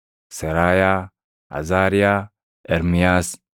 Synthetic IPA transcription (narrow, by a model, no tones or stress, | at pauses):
sɐɾaːjaː | a̰zaːɾijaː | eɾmijaːs